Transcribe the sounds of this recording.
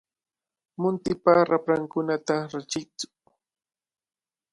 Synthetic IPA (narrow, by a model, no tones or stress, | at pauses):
mʊnt̪ɪpaɾapɾaŋkʊnat̪aɾat͡ʃɪt͡sʊ̥